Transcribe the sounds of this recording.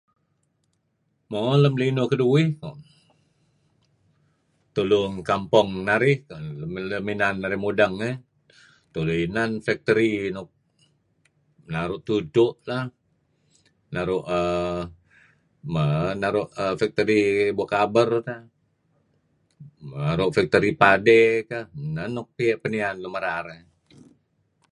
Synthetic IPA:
moləmlinokəduɪh | t̪ulʊŋkampɔŋnaɾɪh | əminanːaɾɪhmudaŋə | t̪uluinanfak̚t̪əɾinɔk̚ | naɾʊʔt̪udoʔla | naɾʊʔə | manaɾʊʔəfɛk̚t̪əɾibuakabərut̪a | maɾʊʔfɛk̚t̪əɾipadɛkananːɔk̚piɛʔpənianləməɾaɾa

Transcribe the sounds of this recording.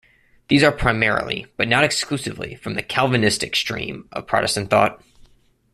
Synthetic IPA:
ðizə˞pʰɹ̥aɪmɛɹlˠḭb̥ʌtⁿnəɾɨksklʉsɨvlḭfɹʌ̃mðɨkʰælˠvɨnɪstɨkstɹ̥ḭ̃mʌ̰v̥pʰɹ̥ɑ̰ɾɨ̰stnθɔ̰t̚

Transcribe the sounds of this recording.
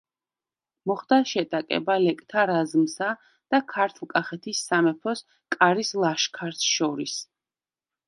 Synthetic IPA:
mɔχd̪aʃɛt̪ʼakʼɛ̰balɛkʼt̪ʰaɾazmsa | d̪̥akʰaɾt̪ʰlˠkʼaχɛt̪ʰisːamɛpʰɔs | kʼaɾislˠaʃkʰaɾt̪ʰʃɔɾis

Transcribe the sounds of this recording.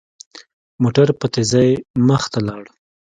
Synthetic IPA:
moʈaɾpət̪ezajməxt̪alɑɽ

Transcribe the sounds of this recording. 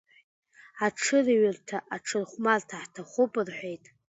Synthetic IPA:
aʈ͡ʂʰɨrɥɪrtʰaʔaʈ͡ʂʰɨrχʷmartʰaħtʰaχʷʊpʼɨrħʷᶣe̞jtʼ

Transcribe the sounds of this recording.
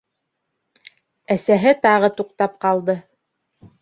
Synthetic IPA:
æsæɦɘt̪ɑʁɤt̪uqt̪ɑp̚qɑlˠd̪ɤ

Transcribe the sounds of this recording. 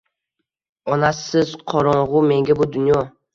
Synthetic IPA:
ɒnasɪzqʰɒɾɒɴʁʊme̞ŋɡʲabʊd̪ʊnjɒ

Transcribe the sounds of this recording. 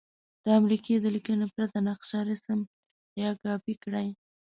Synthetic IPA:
d̪̥əamɾiked̪əlikənepɾat̪anaqʃɑɾisəm | jɑkɑpikɽaj

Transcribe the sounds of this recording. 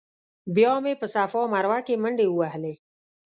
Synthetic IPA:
bjɑmepəsafɔmaɾwakeməɳɖeuwaɦle

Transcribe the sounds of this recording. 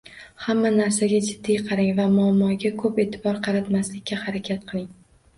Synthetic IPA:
hamːanaɾsaɡʲad͡ʒɪd̪ːijqʰɑɾaŋvamʊamːɒɡʲakʰɵpe̞ːt̪ʰɪbɒɾqʰɑɾat̪maslɪkʲːahaɾakʲʰat̪̚qʰɨlˠɪŋ

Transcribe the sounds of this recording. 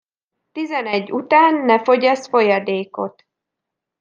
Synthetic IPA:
t̪izɛnɛɟːut̪aːnːɛfo̞ɟɒsfo̞jɒd̪eːko̞t̪

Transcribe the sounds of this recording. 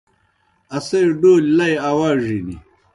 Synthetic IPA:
ɐsɐjɖoːllɐjawaːʐinḭ

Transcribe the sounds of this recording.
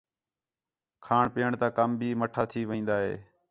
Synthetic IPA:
kʰaːɳpiːəɳt̪aːkəmbʱiːməʈʰaːt̪ʰiːʋəĩːnd̪aːɦḛː

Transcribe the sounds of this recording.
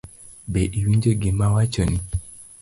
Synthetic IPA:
beʔiwiɲd͡ʒeɡɪmawat͡ʃoni

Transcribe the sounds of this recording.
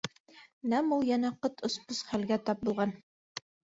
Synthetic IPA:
næmulˠjænæqɤt̪ʰŏsposχælɡæt̪ɑp̚bulˠʁɑn

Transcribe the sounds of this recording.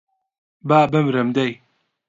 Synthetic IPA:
baːbɐmɾɐmd̪ɐj

